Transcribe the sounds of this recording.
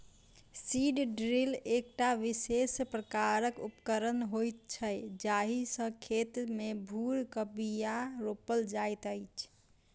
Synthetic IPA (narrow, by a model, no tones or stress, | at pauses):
siɖɖɾilek̚ʈaʋisespɾəkaɾəkupkəɾənɦojt̪̚t͡ʃʰəjd͡ʒaɦisə̃kʰet̪mebʱuɾkəbijaɾopəld͡ʒajt̪əjt͡ʃʰ